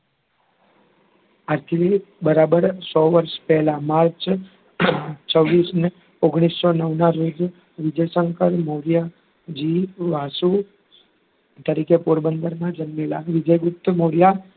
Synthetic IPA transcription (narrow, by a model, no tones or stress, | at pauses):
aɾt̪ʰilibəɾabəɾsɔʋəɾʃpɛɦlamaɾt͡ʃ | t͡ʃəʋːisne | oɡɽ̃issɔnəʋnaɾod͡ʒ̪ | ʋɪd͡ʒəjsəŋkəɾmoɾja | d͡ʒiʋasu | t̪əɾikepuɾbənd̪əɾnad͡ʒənmelaʋɪd͡ʒəjɡʊp̚t̪ːmoɾja